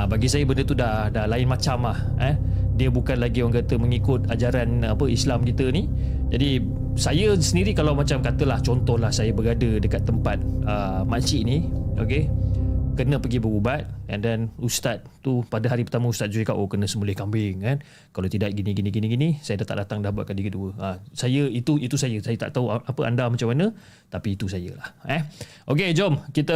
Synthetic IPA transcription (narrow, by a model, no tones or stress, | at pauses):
abaɡisajəbəndət̪udahdahlaɪnmat͡ʃamlah | adiəbukanlaɡiwaŋkat̪əməŋikʊt̪̚ad͡ʒaɾanapəislamkit̪əni | d͡ʒadi | sajəsəndiɾikalawmat͡ʃamkat̪əlaht͡ʃɔnt̪ɔhlahsajəbəɾadədəkat̪ːəmpat̪̚əmat͡ʃiʔnio̰ke | kənə̃pəɡibəɾubat̪̚a̰ndanust̪at̪̚t̪upadəɦaɾipərt̪aməust̪at̪̚d͡ʒuikaʔokənə̃səmulɛhkambɪŋkan | kalawt̪idaʔɡinĩɡinĩɡinĩɡinisajədaht̪a̰ʔdat̪aŋdahbuat̪̚kadikəduəasajəit̪uit̪usajəsajət̪a̰ʔt̪auaʔapəʔa̰ndamat͡ʃamanə̃ | t̪apiːt̪usajə̰lahɛ | ʔoked͡ʒɔmkit̪ə